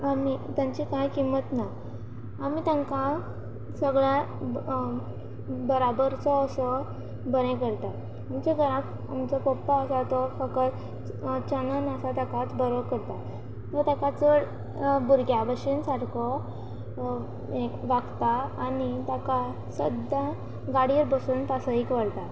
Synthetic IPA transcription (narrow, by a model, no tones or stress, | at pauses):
amit̪jãɲt͡ɕikajkimət̪naː | mit̪jãŋka | səɡɭa | bəɾabəɾt͡sɔːsɔ | bəɾẽkəɾt̪at̪ | amt͡ɕeɡəɾãt̪ | amt͡sɔpɔpːaəsat̪ɔfəkət | t͡ɕənənəsat̪jakat̪bəɾʋəkəɾt̪a | t̪ɔt̪jakat͡səɽ | buɾɡjabəɕinsaɽkʰɔ | ekʋaɡt̪aːnit̪jaka | səd̪ja | ɡaɽiɾbəsunt̪asəikʋəɽt̪a